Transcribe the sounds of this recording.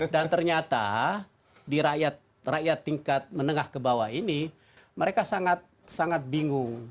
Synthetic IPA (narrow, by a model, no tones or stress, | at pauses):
dant̪ərɲat̪a̰ | diɾaʔjat̪̚ | rajat̪ːiŋkat̪̚mənəŋahkəbawaini | məɾekasaŋat̪̚saŋat̪̚biŋʊŋ